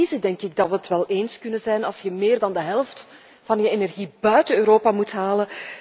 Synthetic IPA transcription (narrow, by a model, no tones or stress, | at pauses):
izədɛŋkɪɡ̚dɑtʋəətʋɛlˠeːnskɵnənzɛjnɑlˠsjəmeːrdɑndəɦɛlˠft | v̥ɑnjəenɛrɣibœɥtəøːɾoːpamutɦaːlən